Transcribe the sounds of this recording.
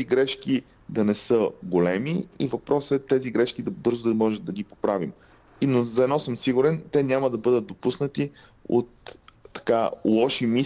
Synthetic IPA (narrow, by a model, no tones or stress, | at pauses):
iɡɾɛʃk̟i | d̪ɐnɛsɤɡolɛmiḭvɐpɾɔsɛt̪ɛziɡɾɛʃkid̪ɐbɤɾzʊd̪mɔʒɛd̪ɐɡipopɾavim | inozɐɛd̪nɔsɤmsiɡuɾɛnt̪ɛnʲaməd̪ɐbɤd̪ət̪̚d̪opusnət̪i | o̰t̪ːɐ̥kalˠɔʃimi